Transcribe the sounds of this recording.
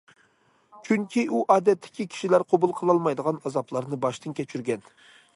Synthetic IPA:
t͡ʃʰyŋkʲʰiʔuʔɑːd̪ɛt̪ʰːɪ̥kʲikʲʰi̥ʃilæɾqʰobulˠqʰəlˠɑlˠmɑjd̪əʁɑnɑzɑplˠɑɾnɨbɑʃt̪ɨnkʲʰɛt͡ʃʰyɾɡʲɛn

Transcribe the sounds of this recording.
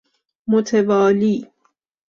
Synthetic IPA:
mot̪ʰevɒːliː

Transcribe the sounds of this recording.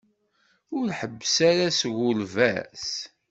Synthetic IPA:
ʊɾħəbːsaɾasʝʊlvæs

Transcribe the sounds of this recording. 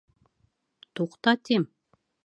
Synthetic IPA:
t̪uqt̪ɑt̪ʲem

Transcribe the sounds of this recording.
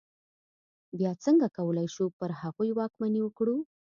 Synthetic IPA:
bjɑt͡səŋɡakawəlajʃupəɾhaɣujwɑkmaniwəkɽu

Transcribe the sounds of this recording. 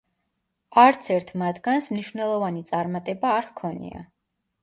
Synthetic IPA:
aɾt̪sʰɛɾt̪ʰmat̪ʰɡ̥ansmniʃvwnɛlˠɔvanit̪sʼaɾmat̪ʼɛbaːɾkʰɔnḭa̰

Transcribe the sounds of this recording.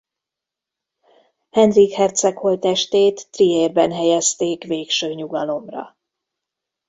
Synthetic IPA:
hɛnrikhɛrt̪sɛkho̞lt̪ɛʃt̪eːt̪ːrieːrbɛnɦɛjɛst̪eːkveːkʃøːɲuɡɒlo̞mrɒ̰

